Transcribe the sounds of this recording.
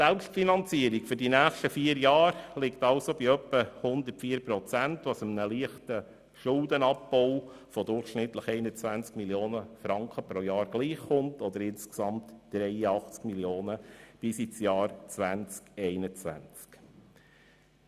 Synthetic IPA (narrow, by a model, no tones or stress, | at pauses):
sɛlpstfinɑnt͡siəɾikfʏɾdinæːχʃtəfiəɾjɑːɾlɪktɑlsobiœpːəhʊnd̪əɾtfiːəɾpɾɔt͡sæntʋɑsəmnəliəχtə | ʃʊld̪ənɑpbɔw | fɔd̪ʊɾχʃnɪt̪ləχɛɪnət͡sʋænt͡skmiljoːnəfɾɑŋkχəpɾojɑːɾɡ̥liːχːʊntɔd̪əɾɪnsksɑmtd̥ɾɛɪəɑχt͡skmiljoːnəb̥ɪsit͡sjɑːɾt͡sʋænt͡skɛɪnət͡sʋæ̰nt͡sk